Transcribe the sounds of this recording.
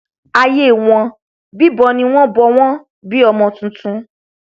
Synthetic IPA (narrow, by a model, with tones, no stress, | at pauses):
a˧je˦˨w̃ɔ̃˧ | bi˦bɔ˧nĩ˧w̃ɔ̃˦bɔ˧w̃ɔ̃˦ | bi˦ɔ˧mɔ̃˧tũ˧tũ˧˦